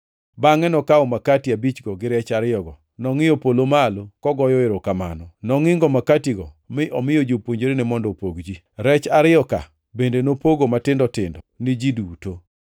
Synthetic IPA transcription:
baŋɛnɔkaɔmakatiabit͡ʃɡɔɡɪɾɛt͡ʃaɾɪjɔɡɔ | nɔŋɪjopolomalokɔɡɔjɔɪɾokama̰nɔnɔŋɪŋɡɔmakatiɡɔ | mɪʔɔmɪjod͡ʒopwoɲd͡ʒeɾenɛmɔndɔpoɡd͡ʒi | ɾɛt͡ʃaɾɪɔka̰ | bendenopoɡomatɪndɔtɪndɔnɪd͡ʒiduto

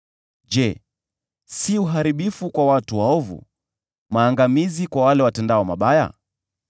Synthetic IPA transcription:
d͡ʒɛ | siuɦaɾiɓifukwawatuwaɔvṵ | maːŋɡamizikwawalɛwatɛndaɔmaɓaja̰

